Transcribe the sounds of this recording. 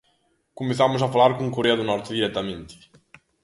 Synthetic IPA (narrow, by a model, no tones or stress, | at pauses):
kumɪsamʊzɐfalˠaɾkõkuɾeɐðunɔɾt̪ɪðiɾɛt̪ɐmẽnt̪ɪ̥